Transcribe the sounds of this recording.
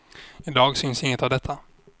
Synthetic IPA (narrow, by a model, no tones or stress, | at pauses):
ɪd̪ɑːɡsʏnsɪŋːət̪avd̪ɛt̪ʰːa